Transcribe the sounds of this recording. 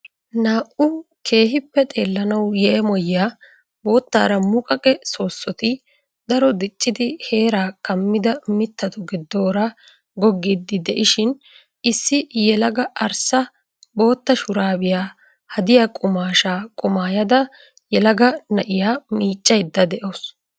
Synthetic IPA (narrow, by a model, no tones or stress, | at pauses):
naːʔʊkʰe̞ːɦɪpːɛt̪ʼe̞ːlːɐnɐwjɛʔɛmɔjaː | bo̞ːt̪ːa̰ːɾɐmʊkʼɐkʼɛso̞ːsːɔt̪ɪ | d̪ɐɾɔd̪ɪt͡ʃʼːɪd̪ɪhe̞ːɾaːkɐmːɪd̪ɐmɪt̪ːɐt̪ʊɡɪd̪ːo̞ːɾa | ɡɔɡːid̪ːɪd̪ɛʔɪʃɪn | ɪsːɪjɛlɐɡɐʔɐɾsɐ | bo̞ːt̪ːɐʃʊɾaːbɪjaː | hɐd̪ɪjakʼʊmaːʃaːkʼʊmaːjɐd̪ɐ | jɛlɐɡɐnɐʔɪjaːmiːt͡ʃʼːɐjd̪ːɐd̪ɛʔoːs